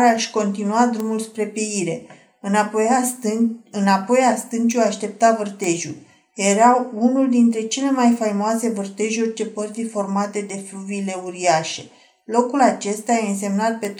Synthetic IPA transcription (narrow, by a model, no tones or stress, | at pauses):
ɾeaʃʲko̞nt̪inuad̪ɾumulspɾe̞pjeiɾe̞ | ɨn | ɨnapo̞jast̪ɨnt͡ʃuaʃt̪e̞p̚t̪avɨrt̪e̞ʒṵl | je̞ɾawunuld̪int̪ɾe̞t͡ʃe̞le̞majfajmoase̞vɨrt̪e̞ʒurʲt͡ʃe̞pərθifo̞rmat̪e̞d̪e̞fluviːle̞uɾiaʃe̞ | lo̞kulat͡ʃe̞st̪ajeɨns̬e̞mnat̪̚pe̞t̪